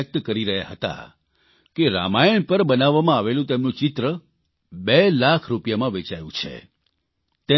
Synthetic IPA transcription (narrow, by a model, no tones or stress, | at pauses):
ək̚t̪kəɾiɾəɦjaɦət̪a̰ | keɾa̰majəɳpəɾbənaʋːamãaʋelũt̪emnũt͡ʃɪt̪ɾə | belakʰɾupjamãʋet͡ʃajṵ̃t͡ʃʰḛ | t̪e